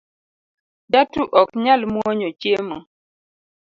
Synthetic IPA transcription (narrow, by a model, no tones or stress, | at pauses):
datuʔɔkɲalmwɔɲɔt͡ʃjemɔ